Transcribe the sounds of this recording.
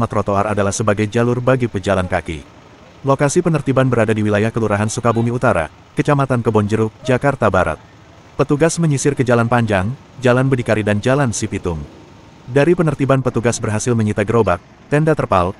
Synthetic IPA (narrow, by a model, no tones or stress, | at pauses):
mat̪ɾot̪oaradalahsəbaɡajd͡ʒalʊrbaɡipəd͡ʒalankakḭ | lokasipənərt̪ibanbəɾadadiwilajahkəluɾaɦansukabumiut̪aɾa̰ | kət͡ʃamat̪ankəbɔɲd͡ʒəɾʊk̚d͡ʒakart̪abaɾa̰t̪̚ | pət̪uɡasməɲisɪrkəd͡ʒalanpaɲd͡ʒaŋ | d͡ʒalanbədikaɾidand͡ʒalansipit̪ʊm | daɾipənərt̪ibanpət̪uɡasbərɦasɪlməɲit̪aɡəɾobak̚ | t̪ɛndat̪ərpal